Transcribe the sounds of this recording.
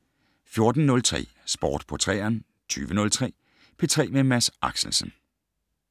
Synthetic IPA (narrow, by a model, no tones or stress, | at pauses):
fjo̝ɐd̥n̩ːɔ̽lt͡sʰʁɛ̰ː | sb̥ɒ̰ːd̥pʰɒ̽t͡sʰʁɛ̰ːɐn | t͡sʰy̰ːʋənɔ̽lt͡sʰʁɛ̰ː | pʰe̝t͡sʰʁɛ̰ːmemæsʔɑ̈ɡ̥sl̩sən